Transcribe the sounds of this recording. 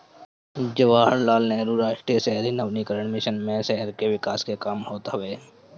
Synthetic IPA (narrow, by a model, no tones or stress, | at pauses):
d͡ʒəʋaːɦəɾlaːlneɾuɾaːʃʈɾisɛɦɾinəbnikəɾəɳ̃mɪʃənmẽsɛɦəɾkeʋɪkaːskekaːmhoːt̪ɦɐʋeː